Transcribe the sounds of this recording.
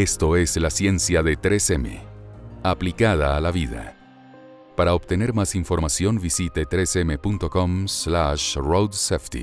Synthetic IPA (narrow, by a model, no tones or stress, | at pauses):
est̪o̞e̞slasje̞nsjaðe̞t̪ɾesemḛaplikaðaːlaβiða̰ | paɾaopt̪e̞ne̞ɾmasiɱfo̞ɾmasjo̞nbisit̪et̪ɾesemepunt̪oko̞mslaʃrowd̪seft̪ḭ